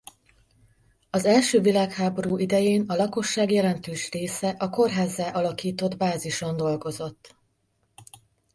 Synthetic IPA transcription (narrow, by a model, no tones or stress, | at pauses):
ɒzɛlʃøːvilaːkhaːbo̞ɾuːʔid̪ɛjeːnɒlɒko̞ʃːaːɡjɛlɛnt̪øːʃreːsɛʔɒko̞rɦaːzːɛʔɒlɒkiːt̪o̞d̪baːziʃo̞nd̪o̞lɡo̞zo̞t̪ː